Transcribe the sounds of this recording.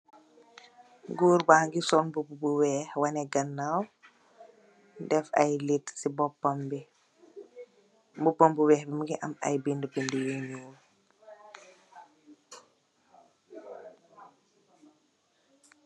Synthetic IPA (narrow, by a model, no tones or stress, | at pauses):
ɡuːɾbaːŋɡisɔnbububuwɛhwanɛɡɐnːaw | dɛfa̰jlitsibɔpːambi | mbupːombuwɛhbimɡiʔama̰jbindəbindujeɲuːl